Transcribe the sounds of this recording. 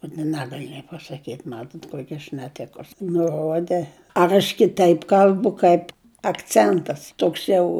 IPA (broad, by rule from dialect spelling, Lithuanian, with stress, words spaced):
ʊt ɪ ˈnʲæːɡɐlʲɪ nʲeː pɐsɐˈkʲiːtʲ ˈmɑːtoːt ˈkuɔkʲɪ ɐʃ nʲɛˈtʲɪkʊs nʊˈroːdʲɛ ɐr ɐʃ kʲɪˈtɐɪp ˈkɐlʲbʊ ˈkɐɪp ɐkˈt͡sʲɛntɐs ˈtoːks ˈjɛʊ